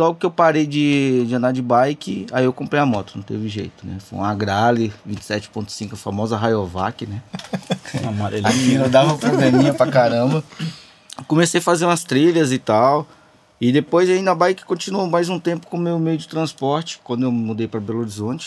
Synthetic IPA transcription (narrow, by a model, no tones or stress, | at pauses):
lɔɡʊkɪewpaɾejd͡ʒɪd͡ʒɪɐ̃nd̪ad͡ʒɪbajkɪaiewkõpɾejamɔt̪ʊnɐ̃w̃t̪ḛvɪʒḛjt̪ʊnɛ̰fo̰jũaɡɾalɪvĩt͡ʃɪ̥sɛt͡ʃɪ̥põnt̪ʊ̥sĩŋkʊɐfamɔzɐɦajova̰kɪnɛ̃ | amaɾelamĩnĩnɐd̪avɐpɾoblemĩɲɐpɾɐkaɾɐ̃bɐ | kõmesejɐfazẽd̪ũɐst̪ɾiʎɐzɪt̪aw | ɪd̪epojzaĩnɐbajkɪ̥kõt͡ʃinuowmajzũt̪ẽmpʊ̥kõmewmejʊd͡ʒɪt̪ɾɐ̃spɔɾt͡ʃɪ̥kwɐ̃nd̪ʊewmud̪ejpɾɐbeloɾizõt͡ʃɪ̥